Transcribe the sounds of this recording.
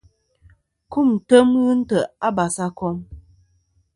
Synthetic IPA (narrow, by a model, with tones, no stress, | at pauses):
ku˦˨m̩˨tə˦mɣʉ˦n̩˦tə˨a˦ba˨sa˦kɔ˦m